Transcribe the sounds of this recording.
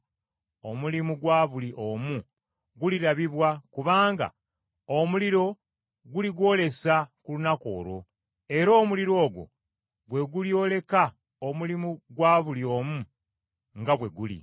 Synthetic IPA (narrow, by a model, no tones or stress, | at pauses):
o̞mulimuɡwaːβuliʔoːmu | ɡuliɾaβiβwakuβaːŋɡa̰ | omuliɾo̞ | ɡuliɡwo̞ːle̞sakulunako̞̰ːɾo̞̰ | e̞ɾo̞ːmuliɾo̞ːɡwo̞̰ | βwe̞ɡuljo̞le̞ka | omulimuɡwaːβulio̞ːmu | ŋɡaβwe̞ɡulḭ